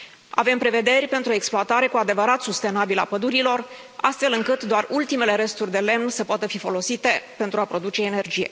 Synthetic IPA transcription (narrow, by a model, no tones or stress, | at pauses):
a̰ve̞mpɾe̞ve̞d̪e̞rʲpe̞nt̪ɾuoe̞ksploat̪aɾe̞kuad̪e̞vəɾat̪sust̪e̞nabila̰pəd̪uɾilo̞r | a̰st̪fe̞lɨŋkɨt̪d̪oarult̪ime̞le̞ɾe̞st̪urʲd̪e̞le̞mnsəpoat̪əfifo̞lo̞sit̪e̞pe̞nt̪ɾuapɾo̞d̪ut͡ʃe̞ːne̞rd͡ʒijḛ